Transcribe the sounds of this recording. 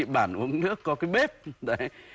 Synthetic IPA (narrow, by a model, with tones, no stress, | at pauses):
ḭ˧˨ɓaː˧˩nʔu˨˧˦əŋnɨ̰˦˥əkːɔ˨˦kaː˨˦jɓe˦˥p̚ɗə˨˧˩j